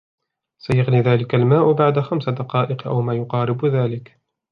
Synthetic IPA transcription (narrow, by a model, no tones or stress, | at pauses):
sajaɣniːðaːlɪkalmaːʔʊbaʕd̪axamsad̪ɑqɑːʔɪqʔa̰wmaːjʊqɑːɾɪbðaːlɪk